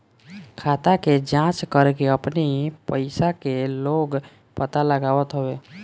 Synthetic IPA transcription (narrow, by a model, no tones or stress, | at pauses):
kʰaːt̪aked͡ʒãːt͡ʃkəɾkeəpnipəɪsakeloːɡ | pət̪aləɡaːʋət̪ɦoeː